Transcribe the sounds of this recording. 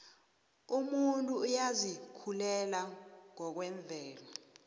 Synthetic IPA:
umuntʼuːjazikʰulɛlaŋɔk̬wɛɱb̪vʱɛːlɔ

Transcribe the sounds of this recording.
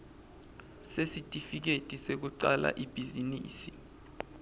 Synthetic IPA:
sesitʼifik̬etʼisek̬uǀala̰ʔib̥ʱizinḭːsi

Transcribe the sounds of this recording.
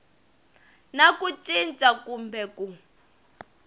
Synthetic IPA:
nakʼut͡ʃʼint͡ʃʼakumbʱɛku

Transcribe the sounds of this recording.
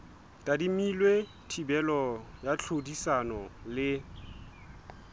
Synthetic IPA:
tʼadimilwe | tʰibɛlɔjat͡ɬʰodisanɔlɪ

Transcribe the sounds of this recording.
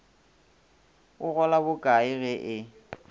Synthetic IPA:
ʊɣɔlabʊkʼaɪɣɛʔɪ

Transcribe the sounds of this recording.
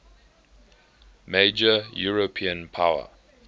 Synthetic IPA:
meɪd͡ʒəjuɹopʰiə̃npʰawə̰

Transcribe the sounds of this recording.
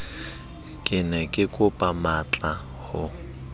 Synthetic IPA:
kʼɪnɛkʼɪkʼʊpʼamat͡ɬʼa | hʊ

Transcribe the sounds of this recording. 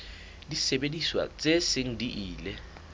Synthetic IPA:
lisɛɓediswa̰t͡sʼeseŋ̩dʱiʔiːlɛ

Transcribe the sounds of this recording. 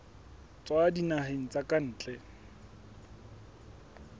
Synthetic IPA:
t͡sʼwadinaɦeŋ̩t͡sakʼan̩ːt͡ɬʼɛ

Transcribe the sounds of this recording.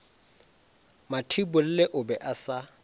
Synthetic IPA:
matʰibʊl̩lɛʔʊbɛʔasa

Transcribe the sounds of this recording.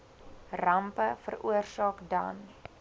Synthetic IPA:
rɐmpəfə̰ruərsɑːkdɐ̰n

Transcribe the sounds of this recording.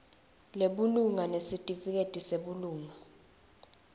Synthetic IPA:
leɓuluŋanesitʼifik̬etʼiseɓuluːŋa

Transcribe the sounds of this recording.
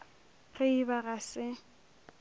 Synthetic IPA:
ɣeibaɣasɪ

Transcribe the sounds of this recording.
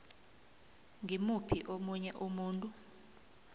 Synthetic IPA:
ŋimupʰiʔomuɲɛʔomuːntʼu

